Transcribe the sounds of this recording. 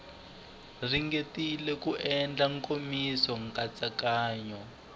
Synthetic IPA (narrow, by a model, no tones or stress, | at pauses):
riŋɡetilɛkuʔɛnd͡ɮaŋkomisɔŋkat͡sakaːɲɔ